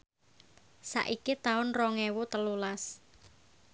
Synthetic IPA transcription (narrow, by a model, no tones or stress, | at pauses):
sa̰ʔikit̪aʊnrɔŋɛwut̪əlulas